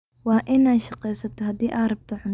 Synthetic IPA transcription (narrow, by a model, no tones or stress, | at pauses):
wɑːʔɪnaːʃɑqɛjsɐt̪ʰɔɦɐd̪iːʔaːrɐb̚t̪ʰɔħʊn